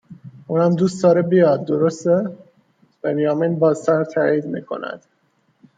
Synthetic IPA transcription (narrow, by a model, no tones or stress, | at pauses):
uːnæmd̪uːsd̪ɒːɾebijɒd̪̚ːo̞ɾost̪e | b̥enjɒːmiːnbɒːzt̪ʰæɾt̪ʰæːiːd̪miːkʰo̞̰næ̰d̪̥